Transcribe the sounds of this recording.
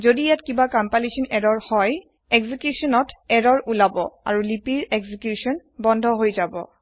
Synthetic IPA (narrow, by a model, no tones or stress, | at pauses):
zodijatkibakampalisɔnɛɹɔɹhɔj | ɛɡzikjusɔnɔtɛɹɔɹulabɔ̰a̰ɹulipiɹɛɡzikjusɔnbɔndʱɔɦojzabɔ̰